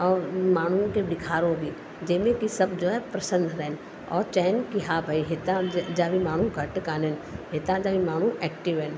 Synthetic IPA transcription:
ɔːɾmaːñ̤ũkedɪkʰaːɾõbʱi | d͡ʒemẽkisɐbd͡ʒoɛpɾɐsə̃nd̪ʱɾɛn | ɔ̰ːɾt͡ʃɛːnkiɦabʱaiɦet̪ãd͡ʒaːʋimaːɽ̃ũɡʱɐʈkaːnenɦet̪ãd͡ʒaːʋimaːɽ̤ũʔɛːkʈɪʋɛ̃ːn

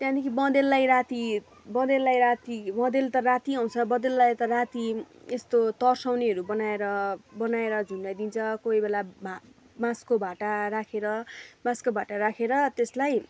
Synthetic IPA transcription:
t̪jãd̪ikʰibʌ̃d̪elːajɾat̪i | bʌ̃d̪elːajɾat̪ibʌ̃d̪elt̪ʌrat̪iaw̃t͡sʰʌbʌd̪elːajt̪ʌrat̪i | est̪ot̪ʌrsawneɦʌɾubʌnaeɾʌbʌnaeɾʌd͡zʱunlajd̪int͡sʰʌkoibelabʱa | mãskobʱaʈaɾakʰeɾʌmãskobʱaʈaɾakʰeɾʌt̪eslaj

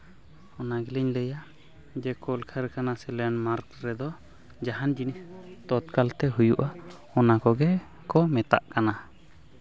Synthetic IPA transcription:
ɔnaɡiliɲləja | d͡ʒɛkɔlkʰaɾɛkanasɛlɛnmaɾkɾɛd̪ɔ | d͡ʒaɦand͡ʒinist̪ɔt̪kalt̪ɛɦujuʔa | ɔnakɔɡɛ | kɔmɛt̪a̰ʔkana

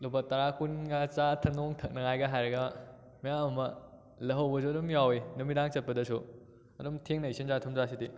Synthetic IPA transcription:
lubɐtɐɾakunɡat͡ʃatʰɐnoŋtʰɐk̚nɐŋajɡɐɦajɾɐɡɐ | mɐjamɐmɐ | lɐɦɐwbɐsuɐdumjawinumidaŋt͡ʃɐt̚pɐdɐsu | ɐdumtʰeŋnɐjsinzatʰɐmzasidi

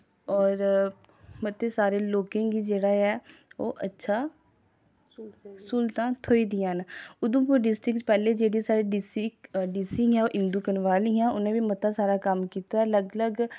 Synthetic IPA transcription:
ɔːɾ | mət̪eːsaːɾeːloːkẽːɡiːd͡ʒeːɽaːɛːo̰ːʔətːʃʰaː | sʊlt̪ãːt̪ʰoːiːd̪ɪjãːnʊd̪õːpːɖɪsʈɾɪktpɛːleːd͡ʒeːɽĩːsaːɾiːɖɪsiɖisiːãːoːʔɪnd̪uːkənʋaːliːjãːʊnẽːʋiːmət̪aːsaːɾaːkəmkiːt̪aɛːləɡləɡ

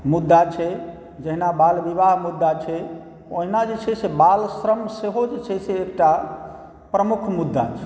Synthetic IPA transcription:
mud̪ːat͡ʃʰɛ | d͡ʒəɦinabalbiβaɦmud̪ːat͡ʃʰɛ | oɦinad͡ʒet͡ʃʰɛsebalsɾəmseɦod͡ʒet͡ʃʰɛseːkʈa | pɾəmukʰmud̪ːa̰t͡ʃʰɛ

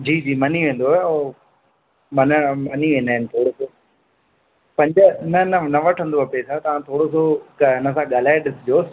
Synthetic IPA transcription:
d͡ʑiːd͡ʑiːmɐniʋẽːn̆d̪oɦɛoː | mɐnəmɐniʋẽːnəɦɪnɪt̪ʰoːɽosoː | pɐ̃ɲd͡ʑənɐnɐnɐʋɐʈʰə̃nd̪oɦɐpesʰat̪ɐʋ̤ãt̪ʰoːɽos̬okɪnəsãɠaːl̤aːeɗɪsɪd͡ʑoːs

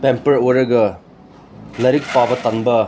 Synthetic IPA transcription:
pempɐɾojɾɐɡɐ | lɐɾik̚pabɐt̪ɐŋbɐ

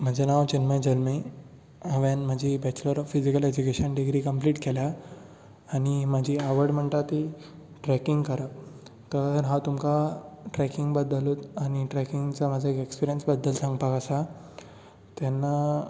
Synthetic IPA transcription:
m̤əd͡ʑanaʋt͡ɕinməd͡ʑəlmi | aʋanmad͡ʑʱiːbɛt͡ɕləɾɔfid͡ʑikəlɛd͡ʑukeɕənɖiɡɾiːkəmpliːʈkʰɛlaː | ñimad͡ʑʱiːaʋəɾɽm̤əɳt̪at̪i | ʈɾɛkiŋɡkəɾət̪əɾɦãt̪umkaʈɾɛkiŋɡbəd̪əlut̪añiʈɾɛkiŋɡt͡samad͡zʱaekekspiɾijənsbəd̪ːəlsãŋɡpakəsa | t̪anːa

